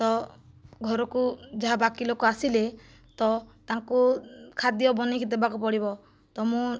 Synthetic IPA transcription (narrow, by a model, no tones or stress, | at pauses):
t̪ɔ | ɡʱɔɾɔkud͡ʒaɦabakilokɔasile | t̪ɔt̪aŋkukʰad̪jɔbɔnikʰid̪ebakupɔɽibɔ | t̪ɔmũ